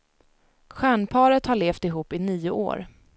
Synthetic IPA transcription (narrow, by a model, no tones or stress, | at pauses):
ɧæːɳpʰɑːɾət̪haɭeːft̪ɪɦuːpːɪniːʊʔo̰ːɾ